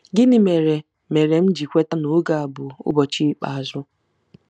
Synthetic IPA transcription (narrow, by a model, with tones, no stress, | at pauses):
ɡɪ˦nɪ˨me˨ɾe˨ | me˨ɾe˨m̩˦d͡ʒi˨kʷe˦ta˦nʊ˨˦ɡa˨a˨bʊ˨ʊ̰˦bɔ˨t͡ʃi˦k͡pa̰˨a˨zʊ˦